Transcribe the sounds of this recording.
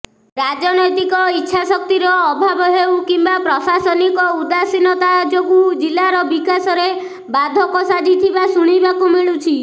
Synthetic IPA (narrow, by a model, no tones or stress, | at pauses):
ɾad͡ʒɔnɔjt̪ikɔitːʃʰasɔk̚t̪iɾɔːbʱabɔɦewkimbapɾɔsasɔnikɔud̪asinɔt̪ad͡ʒɔkud͡ʒilːaɾɔbikasɔɾe | bad̪ʱɔkɔsad͡ʒʱit̪ʰibasuɽ̃ibakumiɭut͡ʃʰi